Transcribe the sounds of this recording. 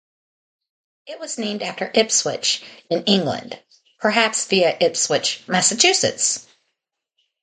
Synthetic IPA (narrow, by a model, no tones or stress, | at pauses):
ɪʔ̚wʌz̥nẽɪ̃mdæftə˞ʔɪpswɪ̰t͡ʃɨ̃nɪ̃ŋɡlə̰̃nd̥ | pʰə˞ɦæpsðiɨʔɪpswɪt͡ʃmæsɨt͡ʃʰʉsɨ̰ts